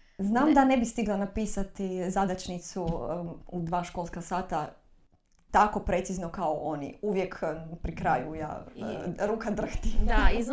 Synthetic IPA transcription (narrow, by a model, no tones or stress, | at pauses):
znaːmd̪anebist̪iɡlˠanapiːsat̪izad̪at͡ʃnit̪suud̪ʋaːʃko̞lˠskasaːt̪a | t̪ako̞pɾe̞t̪siznokaoʔonḭuʋjekpɾikɾaːjuja̰ːɾuːkad̪r̩xt̪iai